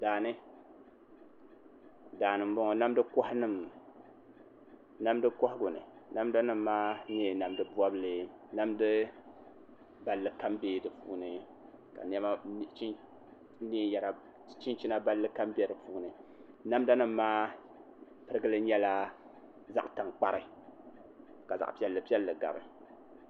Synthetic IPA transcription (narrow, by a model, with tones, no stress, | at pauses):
daː˨nɨ˦ | daː˨nɨ˨m̩˦bɔ˦ŋɔ˨na˦mdɨ˦kɔ˦hnɨ˦m | na˦mdɨ˦kɔ˦hɪ˦ɡʊ˨nɨ̰˨na˦mda˦nɨ˦mːaː˦neː˦˨na˨mdɨ˦bwa˦bɨ˦lɨ˨ | na˦mdɨ˦ | ba˨lːɨ˨ka˦mbeː˦˨dɨ˨pu˦nɨ˨ | ka̰˨n˦ɛ˦ma˦t͡ʃi˦ | niː˦ja˨ɾa˨ | t͡ʃi˦nt͡ʃi˦na˦ba˦lːɨ˦ka˦mbɛ˦˨dɨ˨puː˦nɨ˨ | na˦mda˦nɨ˦mːaː˦ | pɨ˦ɾɨ˦ɡɨ˦lɨ˦ɲɛ˦la˦ | za̰˨ʔta˨ŋk͡pa˦ɾɨ˨ | ka˨za̰˨ʔpi˦ɛ˦lːɨ˨pi˦ɛ˦lːɨ˨ɡa̰˨bɨ˨